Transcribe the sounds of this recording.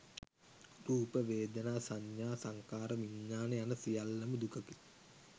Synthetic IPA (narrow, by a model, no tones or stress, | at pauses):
ruːpəʋeːd̪ənaːsaɲjaːsaŋkaːɾəʋiɲːaːnejanəsijalːəməd̪ukəki̥